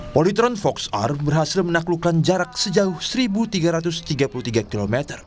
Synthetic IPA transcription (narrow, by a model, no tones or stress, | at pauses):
polit̪ɾɔnfɔksa̰rbərɦasɪlmənaklukand͡ʒaɾak̚səd͡ʒaʊhsəɾibut̪iɡaɾat̪ʊst̪iɡapuluht̪iɡakilomet̪ər